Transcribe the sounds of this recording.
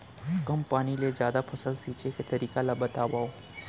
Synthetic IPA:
kəmpaːniled͡ʒjaːd̪apʰəsəlsiːt͡ʃeket̪əɾiːkalabət̪aːʋaːo

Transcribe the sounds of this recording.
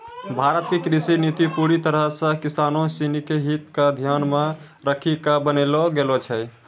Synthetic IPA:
bʱaɾət̪̚kekɾisinit̪ipuɾit̪əɾəɦsə̃kisanosinikeɦit̪kad̪ʱjanmẽ | ɾəkʰikabənelɔɡelot͡ʃʰɛ

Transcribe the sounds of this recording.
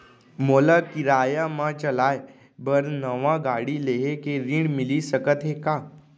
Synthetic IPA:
moːlakiɾaːjamãt͡ʃəlaːe | bəɾnəʋãɡaːɽileːɦekeɾĩɖmɪlisəkət̪ɦekaː

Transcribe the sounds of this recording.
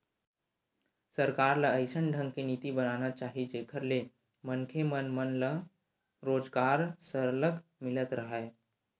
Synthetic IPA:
səɾkaːɾləəɪsənɖʱə̃ŋɡkeniːt̪ibənanat͡ʃaːɦid͡ʒekʰəɾle | mənkʰemənmənlə | ɾoːd͡ʒɡaːɾsəɾləkmɪlət̪ɾəɦəe

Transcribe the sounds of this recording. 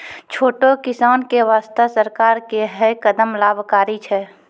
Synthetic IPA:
t͡ʃʰoːʈokɪsaːnkeʋaːst̪asəɾkaːɾkeɦəkəd̪əmlaːbʱkaːɾit͡ʃʰɛː

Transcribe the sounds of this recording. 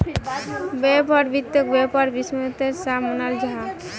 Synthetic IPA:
bɛpaɾbit̪ːjokbepaɾbismət̪eɾsamonald͡ʒaɦa

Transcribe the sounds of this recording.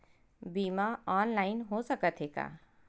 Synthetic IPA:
biːmaɔːnlaːɪnɦosɐkət̪ɦeːɡa̰ː

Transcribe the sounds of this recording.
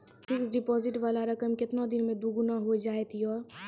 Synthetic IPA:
fɪksɖɪpɔːzɪʈʋaːlaɾɐkəmkɪt̪nod̪ɪnmẽd̪uɡʊnaɦod͡ʒaːet̪iɔːɾ

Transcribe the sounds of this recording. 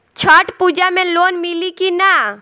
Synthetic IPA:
t͡ʃʰaʈpud͡ʒamẽlonmilikina

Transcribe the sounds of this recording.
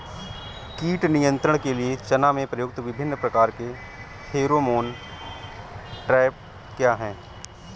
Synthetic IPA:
kiːʈnijə̃nt̪ɾəɽ̃keliet͡ʃɐnamẽpɾɐjoːk̚t̪ʋɪbʱɪnːpɾɐkaːɾke | heːɾomoːn | ʈɾɛːɪp̚ | kjaːɦɛ̃ː

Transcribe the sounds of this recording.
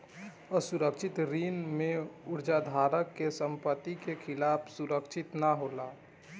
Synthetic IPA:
əsuɾəkt͡ʃʰɪt̪ɾinmẽuɾd͡ʒad̪ʱaːɾəkːesəmpət̪ːikekʰɪlaːpʰsuɾəkt͡ʃʰɪt̪naɦola

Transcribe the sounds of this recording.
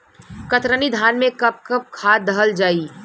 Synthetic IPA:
kɐt̪ɾənid̪ʱaːnmẽkɐp̚kəp̚kʰaːd̪ɐɦəld͡ʒaːi

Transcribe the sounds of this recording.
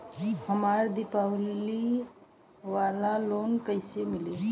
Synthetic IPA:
həmaːɾd̪ɪpawli | ʋaːlaloːnkəɪsemɪle

